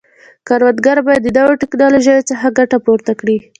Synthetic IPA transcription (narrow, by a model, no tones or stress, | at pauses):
kɑɾwad̪ɡaɾbɑjad̪ːəd̪aweʈɪknɑloʒajot͡səxaɡaʈapoɾt̪akɽi